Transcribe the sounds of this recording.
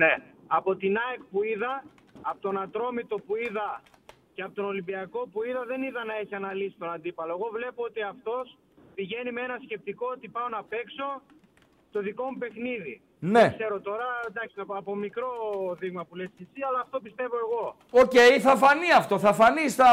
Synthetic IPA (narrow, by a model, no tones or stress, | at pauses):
ne̞ɐpo̞t̪inɐekpuiðɐːpot̪o̞nɐt̪ɾo̞mit̪o̞puiðɐ | ceɐpot̪o̞no̞limbiɐko̞puiðɐðe̞niðɐnɐe̞çiɐnɐlisi̥t̪onɐnd̪ipɐlo̞eɣo̞vle̞poot̪iɐft̪o̞s | piʝe̞nimeenɐsce̞p̚t̪iko̞ot̪ipɐonɐpe̞kso̞ | t̪o̞ðiko̞mupe̞xniði | nekse̞ɾo̞t̪o̞ɾɐd̪ɐksiɐpo̞mikɾo̞ðiɣmɐpulescesiɐlɐːft̪o̞pist̪e̞vo̞e̞ɣo̞ | o̞ce̞jθɐfɐniɐft̪o̞θɐfɐnisθɐ